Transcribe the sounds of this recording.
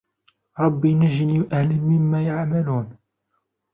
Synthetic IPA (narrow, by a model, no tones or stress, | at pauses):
ɾˤɑbːinəʒiniʔæhləmɪmːæjaʕmælun